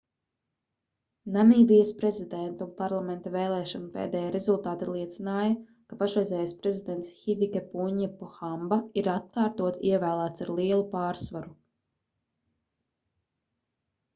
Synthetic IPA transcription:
naniːbijɐspɾɛzid̪ɛnt̪umpaɾlˠamɛnt̪avɛːlˠɛːʃɔnupḛːd̪ɛːjaɾezulˠt̪aːt̪alˠiɛt̪sinaːjɐ | kapaʃɾɛjzʲɛːjaspɾezid̪ɛnt̪sxivʲikepuɲɛpɔxambaiɾat̪̚kaːɾt̪uɔt̪iɛvæːlˠæːt̪saɾlˠiɛlˠupaːɾsvaɾu

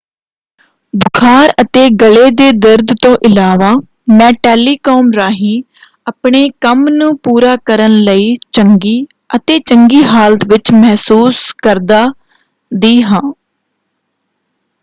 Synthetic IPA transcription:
bʊkʰaːɾət̪eːɡəleːd̪eːd̪əɾd̪t̪õːʔɪlaːʋaː | mɛ̃ːʈɛːliːkɔːmɾaːɦiː | əpɳeːkəmnũːpuːɾaːkəɾənləiːt͡ʃəŋɡiː | ət̪eːt͡ʃəŋɡiːɦaːlət̪ʋɪt͡ʃmɛɦsuːskəɾd̪aː | d̪iːɦãː

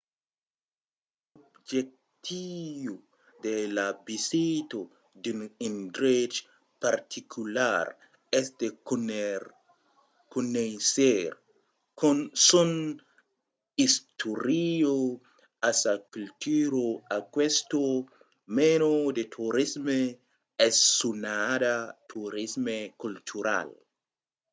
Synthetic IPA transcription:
obd͡ʒek̚ | t̪ʰivo | d̪elabisit̪o | dinindɾet͡ʃ | paɾt̪ʰikʰulaɾ | ɛsd̪e | kunejseɾ | konsun | ist̪ʰuɾio | asakult̪ʰuɾoakwest̪o | menod̪et̪ʰuɾisme | ɛsːunadat̪ʰuɾismekult̪ʰuɾa̰l

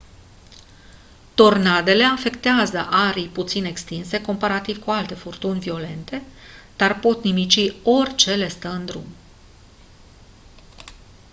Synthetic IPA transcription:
t̪o̞rnad̪e̞le̞afe̞kt̪eazəʔaɾijput̪sine̞kst̪inse̞ko̞mpaɾat̪iv̥kualt̪e̞furt̪unʲvio̞le̞nt̪e̞d̪̥arpo̞t̪nimit͡ʃio̞rʲt͡ʃe̞le̞st̪əɨnd̪ɾṵm

